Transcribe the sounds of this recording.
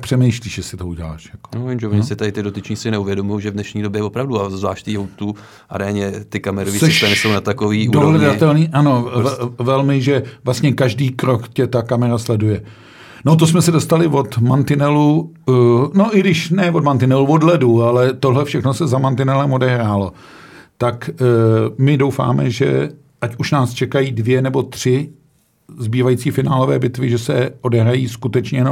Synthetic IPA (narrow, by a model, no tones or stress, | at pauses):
pr̥ɛmɛjʃliːʃjɛsɪt̪ouɟɛla̰ːʃjako̥ovimʒɛvoɲɪsɪt̪adɪt̪ɪdot̪ɪt͡ʃɲɪsɪnɛuvjɛdomujowʒɛvdnɛʃɲiːdobjɛvopɾavduazvla̰ːʃt̪ijowt̪u | ʔa̰ɾɛaɲɛt̪ɪkamɛɾovisɛʃt̪anɛsownat̪akoviːdudoɦlɛdat̪ɛlniːʔano̞vɛlmɪʒɛvlast̪ɲɛkaʒdiːkɾo̞kcɛt̪akamɛɾaslɛdujɛ | not̪̬osmɛsɛdo̞st̪alɪvo̞t̪mant̪ɪnɛlu | no̞ʔɪɡdɪʃnɛvo̞dmant̪ɪnɛluvo̞dlɛdualɛt̪oɦlɛfʃɛxno̞sɛzamant̪ɪnɛlɛmo̞dɛɦɾaːlo̞ | t̪ak | mɪdowfa̰ːmɛ̰ʒɛ̰ | ʔacuʃnaːst͡ʃɛkajiːdvjɛnɛbo̞t̪r̝̥ɪ | zbiːvajit͡siːfɪna̰ːlo̞vɛ̰ːbɪt̪vɪʒɛsɛo̞dɛɦɾajiːskut̪ɛt͡ʃɲɛjɛo